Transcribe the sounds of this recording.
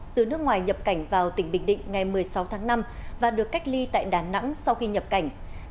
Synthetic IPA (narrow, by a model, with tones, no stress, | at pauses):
t̪ɨ˨˩nɨ˦˥əkŋwaː˨˩jɲə˨˩p̚ka˧˩jŋ̟vaː˨˩wt̪ï˧˩ŋ̟ɓï˧˨ŋ̟ɗḭ̈˧˨ŋ̟ŋa˨˩jmɨ˨˩əjsa˨˦wt̪ʰaː˨˦ŋna˧mvaː˨˩ɗɨ˨˩əkːa˦˥jk̚li˧t̪a̰ː˧˨jɗaː˨˩na̰˧˥ŋsa˧wxi˧ɲə˨˩p̚ka˧˩jŋ̟